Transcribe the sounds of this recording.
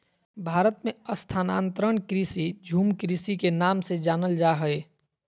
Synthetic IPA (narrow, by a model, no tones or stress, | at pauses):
bʱaːɾət̪meəst̪ʰaːnãːnt̪ɾəɳkɾisid͡ʒʱuːmkɾisikenaːmsed͡ʒaːnəld͡ʒaɦəe